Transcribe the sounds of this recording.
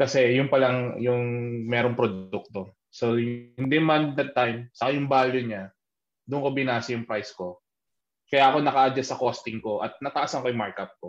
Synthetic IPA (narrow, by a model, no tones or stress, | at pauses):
kɐsɛjʊŋpɐlaŋjʊŋmɛːɾoŋpɾod̪uk̚t̪o̞ | so̞ɪnd̪ɛmɐnd̪ɐd̪̚t̪ːajmsɐkajʊŋbaːljʊɲa | d̪ʊʔnkobɪnaːsɐjʊŋpɾajsko̞ | kɐjaːko̞nɐkɐʔɐd͡ʒɐsɐkoːst̪ɪŋko̞ʔɐ̰t̪̚nɐt̪ɐʔasɐŋkojʊmaɹkɐp̚ko